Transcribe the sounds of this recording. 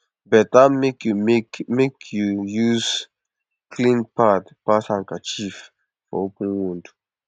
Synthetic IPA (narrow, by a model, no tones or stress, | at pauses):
bɛt̚amekjukmekʰjujuz̥ | kʰlĩnpatpathãŋkat͡ʃif | fɔ̰opə̃nwũnd